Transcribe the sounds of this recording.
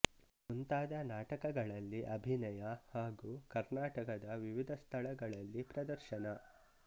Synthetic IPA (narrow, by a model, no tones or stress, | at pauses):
unt̪aːd̪ɐnaːʈɐkɐɡɐɭɐlːiʔɐbʱinɐjɐhaːɡuːkɐɾnaːʈɐkɐd̪ɐʋiʋid̪ʱɐst̪ʰɐɭɐɡɐɭɐlːipɾɐd̪ɐɾʃɐnɐ